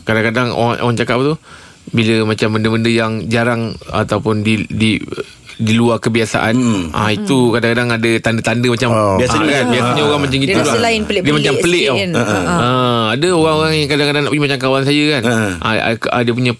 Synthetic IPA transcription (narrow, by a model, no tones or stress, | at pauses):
kadaŋkadaŋo̰aŋʔo̰ɣaŋt͡ʃakapat̪u | biləmat͡ʃambəndəməndəjaŋd͡ʒaɾaŋa̰t̪awpʊndidi | diluarkəbiasa̰ʔa̰nʔa̰it̪ukadaŋkadaŋadət̪andət̪andəmat͡ʃambiasaɲknsbiasaɲaoɾaŋmat͡ʃamɡit̪udllaɪnəlɪdiəmat͡ʃampəlɪʔɔəadəoɣaŋoɾaŋjaŋkadãŋkadaŋnaʔpuɡimat͡ʃamkawansajəkana̰ə̰diəp̬uɲã